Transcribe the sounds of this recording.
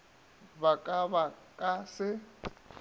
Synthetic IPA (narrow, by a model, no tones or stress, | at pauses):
βakʼaβakʼasɪ